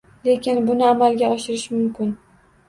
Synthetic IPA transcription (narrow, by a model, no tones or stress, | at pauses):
le̞kʲɪnbʊnɪamalɡʲaɒʃɪɾɪʃmʊmkʲɪn